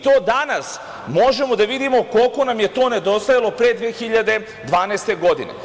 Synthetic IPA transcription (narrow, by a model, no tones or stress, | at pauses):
it̪o̞ːd̪anas | mo̞ʒe̞mo̞d̪aʋid̪imo̞ko̞lko̞namje̞t̪o̞ːne̞d̪o̞st̪ajalˠo̞pɾed̪ʋeːxiʎad̪e̞ | d̪ʋaːneːst̪e̞ɡo̞d̪inḛ